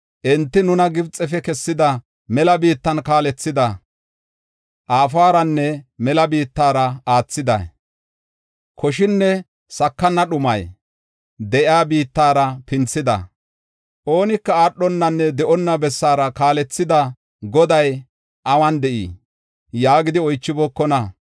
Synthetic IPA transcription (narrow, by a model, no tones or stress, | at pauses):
ʔɛnt̪ːɪnʊnɐɡɪbt͡sʼːɛfɛkɛsːɪd̪ɐ | mɛlɐbiːt̪ːɐnkaːlɛt͡sːɪd̪ɐ | ʔaːfaːɾɐnːɛmɛlɐbiːt̪ːaːɾɐaːt͡sːɪd̪ɐ̰ | kʰɔʃɪnːɛ | sɐkːɐnːɐɗʊmɐj | d̪ɛʔjaːbiːt̪ːaːɾɐpɪnt͡sːɪd̪ɐ̰ | ʔo̞ːnɪkːɐaːɗːɔnːɐnːɛd̪ɛʔɔnːɐbɛsːaːɾɐkaːlɛt͡sːɪd̪ɐ | ɡɔd̪ɐj | ʔɐwɐnd̪ɛʔḭː | jaːɡɪd̪ɪɔjt͡ʃːɪbɔkːɔnɐ